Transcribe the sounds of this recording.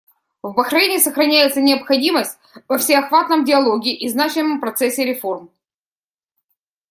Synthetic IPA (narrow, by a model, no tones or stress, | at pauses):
vbəxɾɐvʲenʲɪːsəxɾɐnʲæjɪt̪sənʲɪɐpxɐdʲiməsʲt̚ʲ | vəfsʲɪɐxvat̪nəmdʲɪɐlˠoɡʲɪʔiznat͡ɕɪmːəmpɾɐt̪sɛsʲːɪɾʲɪfo̞rm